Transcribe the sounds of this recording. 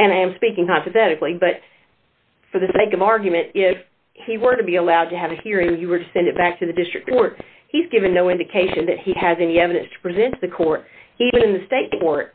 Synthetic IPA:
ɨ̃ñaɪɨ̃mspikɪ̃ŋkɑ̃mpɨθɛɾɨklibʌt̚ | fə˞ðɨseɪkʌvɑɹɡjɨmɨ̃ntɪf | hiwə˞ɾɨbiəlaʊd̚tɨɨvɨhiɹɪ̃ŋjɨwə˞ɾɨsɛ̃ndɨt̚b̥æk̚tʰɨðɨdɪstɹ̥ɨkʰɔɹt̚ | hizɡɪvɨ̃nːoʊɪ̃ndɨkʰeɪʃɨ̃nðɨ̰t̚hiɨzɛniɛvɨɾɨ̃nstʰə̥pʰɹ̥izɛ̃nðɨkʰɔɹt̚ivɨ̃nɨ̃nðɨsteɪt̚kʰɔɹt̚

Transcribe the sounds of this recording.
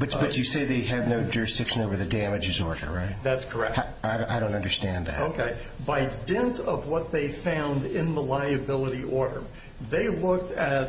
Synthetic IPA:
b̥ʌt͡ʃb̥ʌt͡ʃɨseɪðeɪɨvnoʊd͡ʒʊɹɨsd̥ɪkʃɨ̃noʊvə˞ðɨdæmɨd͡ʒɨzɔɹɾə̰˞ɹaɪt̚ðætskʰə˞ɛ̰k̚ | aɪʔaɪɾõʊ̃ntʌ̃ndə˞stæ̃nðæ̰toʊkʰeɪ | baɪdɛ̃ntʌvwʌt̪̚ðeɪfãʊ̃ndɪ̃nðəlaɪɨbɪlˠəɾiʔɔɹɾə̰˞ | ðeɪlʊk̚tɨt̚

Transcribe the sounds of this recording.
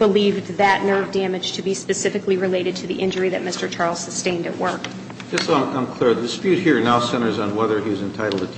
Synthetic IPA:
b̥əlivðɨʔⁿnɜ˞vdæmɨd̥ʒ̥tʰɨbispɨsɪfɨkliɹɨleɪɾɨd̚tʰɨðiʔɪ̃nd͡ʒə˞iðɨt̚mɪstə˞t͡ʃʰɑɹlˠz̥sɨstẽɪ̃ndɨ̰ʔwɜ˞k | d͡ʒ̥ʌsãɪ̃mkʰl̥ɪɹðɨdɨspjʉt̚hiɹnaʊsɛ̃ɾ̃ə˞zn̩wɛðə˞iɨzɨ̃ntʰaɪɾl̩ˠdɨ

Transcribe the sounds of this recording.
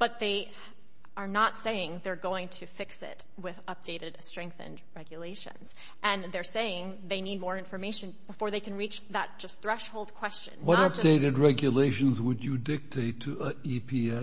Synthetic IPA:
b̥ʌt̪̚ðeɪ | ə˞nətseɪɪ̃ŋðə˞ɡoʊɪ̃ŋtʰɨfɪksɪ̰t̚ | wɪðʌp̚d̥eɪɾɨdstɹ̥ɛ̃ŋk̚θɨ̰̃ndɹɛɡjɨleɪʃɨ̰̃nz̥ | ʔɨ̃nðə˞seɪɪ̃ŋ | ðeɪnid̚mɔɹɪ̃ɱfə˞meɪʃɨ̃nb̥əfɔɹðeɪkɨ̃nɹit͡ʃðət̚d̥ʒ̥ʌst̪θɹɛʃhoʊlˠd̚kʰw̥ɛst͡ʃɨ̰̃nːwʌɾʌp̚d̥eɪɾɨd̚ɹɛɡjɨleɪʃɨ̃nzwəd͡ʒɨdɪk̚tʰeɪtʰɨipʰiɛ

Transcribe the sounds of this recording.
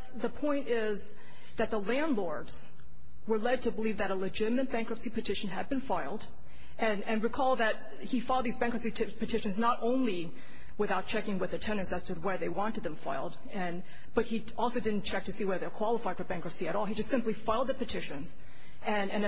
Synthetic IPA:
ðəpʰɔ̃ɪ̃ntɪ | z | ðɨt̪̚ðəlæ̃ndˡlɔɹdz̥ | wə˞lɛd̚tʰɨbəlivðɨɾəlɨd͡ʒɪɾɨmɨ̃nb̥æ̃ŋkɹɨpsipʰɨtʰɪʃɨ̃n̩ɨd̚bɨ̃nfaɪlˠd | ɨ̃nɨ̃nwikʰɔlˠðɨt̚ | hifaɪlˠd̪̚ðizbæ̃ŋkɹəpsi | pʰɨtʰɪʃɨ̃nznəɾʔõʊ̃nli | wɨθaʊt̚t͡ʃʰɛkɪ̃ŋwɨðɨtʰɛ̃nɨ̃nsɨz̥tʰɨwə˞ðeɪwɑ̃ntɨd̪̚ðɨ̃ɱfa̰ɪlˠd | ɨ̃n | b̥ʌt̚hi | ɔlˠsoʊdɪdⁿn̩t͡ʃʰɛk̚tʰɨsiwɛðə˞ðəkʰw̥ɑlˠəfaɪd̥fə˞bæ̃ŋkɹɨpsiɨɾɔlˠid͡ʒʌstsɪ̃mplifaɪlˠd̪̚ðɨpɨtʰɪʃɨ̃nz̥ | ɨ̃nɨ̃n

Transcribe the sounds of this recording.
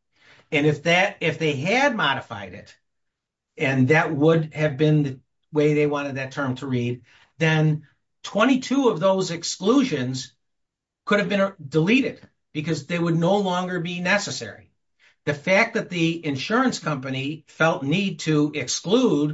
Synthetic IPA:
ɨ̃nɨfðɨɾɪfðeɪɨd̚mɑɾɨfa̰ɪɾɪ̰ɾ | ɨ̃nðɨt̚wʊdɨvbɪ̃nðɨ | weɪðeɪwɑ̃ɾ̃ɨd̪̚ðɨtʰɜ̃˞mtʰəɹid̪̚ | ðɨ̃n | tʰw̥ɛ̃ɾ̃itʰuʌvðoʊzɨkskluʒɨ̃nz̥ | kʰʊɾɨvbɨ̃ndəliɾɨd̥̚ | b̥ɨkʌzðeɪwədⁿnoʊlɔ̃ŋɡə˞binɛsɨsɛ̰ɹḭ | ðɨfæk̚ðɨt̪̚ðiɨ̃nʃʊɹɨ̃nskʰʌ̃mpɨnifɛlˠtⁿnid̚tʰɨɪksklud̚

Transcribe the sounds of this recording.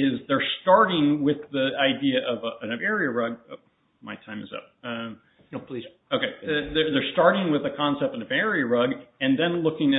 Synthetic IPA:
ɪzðə˞stɑɹɾɪ̃ŋwɪðiaɪdiɨʔʌvɨ̃nʌvɛɹiɨɹʌɡ̚ | maɪtʰãɪ̃mɨ̰zʌ̰p̚ʌ | opʰli | oʊkeɪðə˞ðə˞stɑɹɾɪ̃ŋwɨðɨkʰɑ̃nsɛp̚tɨ̃nʌvɛɹiɨɹʌɡɨ̃nðɨ̃nlʊkɪ̃ŋɨ

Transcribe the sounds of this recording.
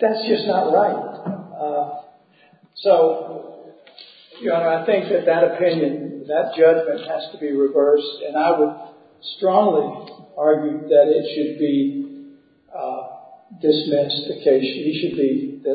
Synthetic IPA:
ðætsd̥ʒ̥ʌsnət̚ɹaɪt̚ | soʊ | jɨonoaɪθɪ̃ŋk̚ðɨt̪̚ðɨɾɨpʰɪ̃njɨ̃nðɨt̚d̥ʒ̥ʌd͡ʒmɨ̃nʔhɨz̥tʰəbiɹɨvɜ˞stɨ̃naɪwəd̥̚ | stɹ̥ɔ̃ŋliɑɹɡjʉðɨɾɪtʃɨd̚bi | dɨsmɪstɨkʰeɪʃɨ̃niʃɨd̚bi

